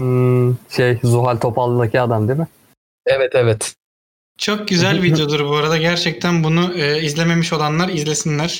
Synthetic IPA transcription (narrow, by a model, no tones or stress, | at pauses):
ʃejzuɦalʲt̪ʰo̞palˠːɯd̪acʰiad̪amd̪imɪ | ɛvɛt̪ʰɛvɛt̪ | t͡ʃʰo̞k̚ɟyzælʲvid̪jo̞d̪uɾbuaɾad̪aɟæɾt͡ʃʰɛc̚t̪ʰænbunuɯːizlʲe̞me̞miʃo̞lˠanlˠaɾizlʲe̞sinlʲæɾ̥